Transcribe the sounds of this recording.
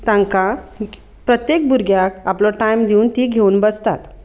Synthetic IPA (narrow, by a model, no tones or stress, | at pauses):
t̪ãŋka | pɾət̪jek̚buɾɡjakaplɔʈajmd̪iuːnt̪iːɡʱeuːnbəst̪at̪